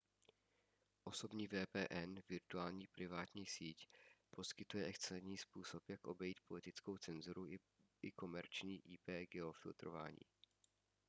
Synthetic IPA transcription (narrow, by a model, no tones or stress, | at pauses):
ʔo̞so̞bɲiːvɛːpɛːʔɛnvɪɾt̪uaːlɲiːpɾɪvaːt̪ɲiːsiːcpʰo̞skɪt̪ujɛʔɛkt͡slɛɲiːspuːso̞pjakʔo̞bɛjiːt̪̚po̞lɪt̪ɪt͡sko̞wt͡sɛnzuɾuɪ | ʔɪko̞mɛɾt͡ʃɲiːʔiːpɛːɡɛofɪlt̪ɾova̰ːɲḭː